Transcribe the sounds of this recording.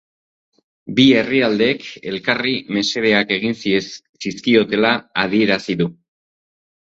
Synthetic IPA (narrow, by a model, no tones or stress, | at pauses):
bie̞riald̪e̞ːke̞lkarime̞se̞ðe̞ake̞ɣ̞insisiskio̞t̪e̞laːð̞ie̞ɾasiðu